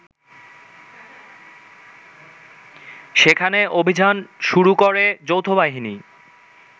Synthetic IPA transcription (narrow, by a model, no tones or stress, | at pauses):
ʃekʰaneʔobʱid͡ʑanʃuɾukoɾed͡ʑowt̪ʰobaɦini